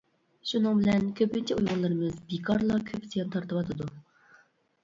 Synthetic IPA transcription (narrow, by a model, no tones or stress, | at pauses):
ʃunɨŋbɪlɛnkʲʰøpynt͡ʃʰɛujʁʊlˠɨɾɨmɨzbikʰɑɾlˠɑkʲʰøpsijɑnt̪ʰɑɾt̪əwɑt̪ʰɨd̪u